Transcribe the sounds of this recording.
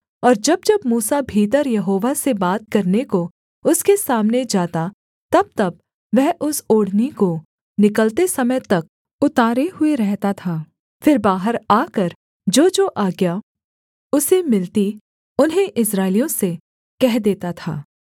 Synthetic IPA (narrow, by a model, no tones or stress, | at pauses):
ɔːɾd͡ʒɐbd͡ʒɐbmuːsabʱiːt̪̬əɾjɐɦoːʋasebaːt̪̚kɐɾneko | ʊskesaːmned͡ʒaːt̪a | t̪ɐb̚t̪ɐb̚ | ʋɛɦʔʊsoːɽ̤neko | nɪkəlt̪esɐməjt̪ɐk̚ | ʊt̪aːɾehʊeɾɛɦt̪at̪ʰaː | fɪɾbaːɦəɾaːkɐɾ | d͡ʒoːd͡ʒoːʔaːɡja | ʊsemɪlt̪i | ʊnɦẽʔɪsɾaːɪlijõse | kɛɦd̪eːt̪at̪ʰa̰ː